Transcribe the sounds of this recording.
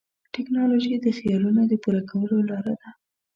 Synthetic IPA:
ʈɪknɑloʒid̪əxijɑlunod̪əpuɾakawəlolɑɾad̪a

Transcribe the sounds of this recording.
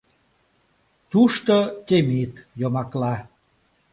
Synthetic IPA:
t̪uʃt̪ot̪emit̪jomɑklɑ

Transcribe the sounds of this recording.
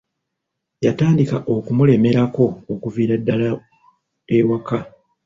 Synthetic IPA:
jataːndikaʔo̞kumule̞me̞ɾako̞ːkuviːɾadːala | ewaka

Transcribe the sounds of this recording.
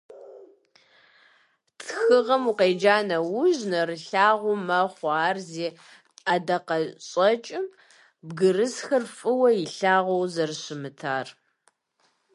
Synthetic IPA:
tʰxɨʁɐmuqejd͡ʒaːnɐwʊʒnɐrɨɬaːʁʷʊmɐχʷɑaːrzeː | ɐdɐqɐɕʼɐt͡ʃʼɪm | bɡɨrɨsxɐrfʼɨwɐjɪɬaːʁʷɐwzɐrɕɪmɨtʰaːr

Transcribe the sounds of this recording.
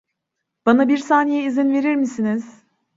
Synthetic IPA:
b̥anabiɾsaːnijɛizinve̞ɾiɾmisiniz̥

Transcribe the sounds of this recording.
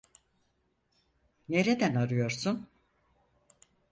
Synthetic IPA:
ne̞ɾed̪ænaɾɯjo̞ɾsun

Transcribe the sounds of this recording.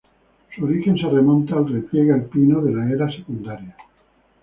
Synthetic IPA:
suoɾixenseremõnt̪aːlrepjeɣalpinoðelaeɾasekund̪aɾja

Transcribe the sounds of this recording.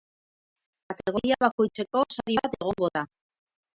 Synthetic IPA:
at̪e̞ɣoiaβako̞jt͡se̞ko̞saɾiβat̪e̞ɣ̞o̞ŋɡo̞ða

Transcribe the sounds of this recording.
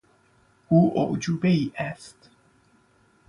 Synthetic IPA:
ʔuːʔo̰ʔd͡ʒuːbeiːʔæst̪

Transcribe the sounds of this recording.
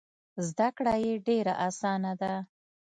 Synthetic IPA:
zd̪akɽajeɖeɾaʔasɑnad̪a

